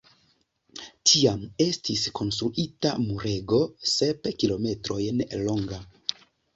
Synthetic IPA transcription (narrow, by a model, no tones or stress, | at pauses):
tʰiame̞stiskʰo̞nstɾuʔita̰muɾe̞ɡo̞se̞pkilo̞me̞tɾo̞jnlo̞ŋɡa